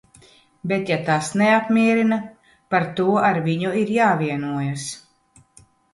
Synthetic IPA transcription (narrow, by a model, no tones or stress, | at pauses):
bet̪jat̪asneapmʲiɛɾina | paɾt̪uɔʔaɾviɲuiɾjaːviɛnuɔjas